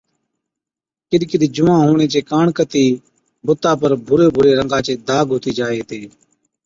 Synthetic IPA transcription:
kɪɗkɪɗd͡ʒʊmãːɦuːɳeːt͡ʃeːkaːɳkət̪iː | bʊt̪ːaːpəɾbʱʊɾeːbʱʊɾeːɾəŋɡãːt͡ʃeːd̪aːɡʱʊt̪iːd͡ʒaːeːt̪eː

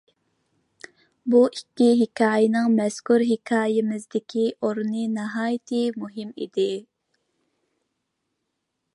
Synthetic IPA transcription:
buʔikʲːiɦɪkʰɑːjɪnɪŋmɛskuɾɦɪkʰɑːjɪmɪzd̪ɪkʲʰiʔoɾnɨnɪɦɑːjt̪ʰɨmuɦɪmḭd̪ɪ

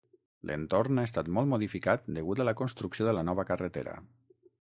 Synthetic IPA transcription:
lʔḛnt̪oɾnaes̬t̪at̪mɔlˠmoðifikat̪̚d̪əɣut̪aləkonst̪ɾuksioðələnɔβəkərət̪ḛɾə̰

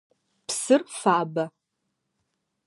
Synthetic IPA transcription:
psɨrfaːbɐ

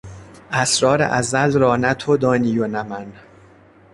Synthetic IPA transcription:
ʔæsɾɒːɾḛʔæzælɾɒːnæt̪ʰod̪ɒːniːjonæmæn

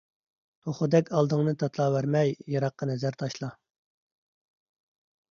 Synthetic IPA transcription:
t̪ʰoχʊd̪ɛkʲʰɑlˠd̪ɨŋnɨt̪ʰɑt̪ʰlˠɑːwæɾmɛjjɑɾɑqːɑnɛzæɾt̪ʰɑʃlˠɑ

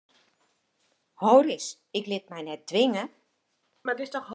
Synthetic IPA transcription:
hoːrɪs | ɪklɪt̚mɛjnɛt̚d̥ʋɪŋə | madɪstɔxɦ

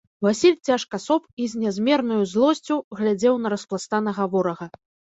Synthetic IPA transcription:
vasʲilʲt͡sʲaʂkɐsɔpizʲnʲɛzʲmʲɛrnujuzlˠɔsʲt͡sʲuɣlʲad͡zʲɛwnɐɾɐsplˠast̪anɐɣavɔɾɐɣɐ

